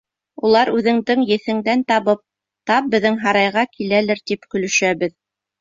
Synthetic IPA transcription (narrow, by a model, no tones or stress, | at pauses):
ulˠɑɾʉðɘ̆ŋd̪ɘŋjɘ̆θɘ̆ŋd̪ænt̪ɑβɤp̚ | t̪ɑp̚bɘ̆ðɘŋɦɑɾɑjʁɑkʰilælɘɾt̪ipkɵ̆lɵ̆ʃæβɘð